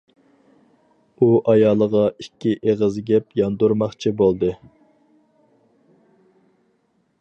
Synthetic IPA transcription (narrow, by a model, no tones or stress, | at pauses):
uʔɑjɑːlˠəʁɑikʲːiʔeʁəzɡʲɛpjɑnd̪uɾmɑχt͡ʃʰibolˠd̪ɨ